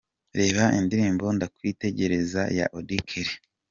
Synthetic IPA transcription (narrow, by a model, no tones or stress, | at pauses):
ɾe̞ːβaʔindiɾiːmbo̞ndakwite̞ɟe̞ɾe̞zaja̰ʔodikʰeɾi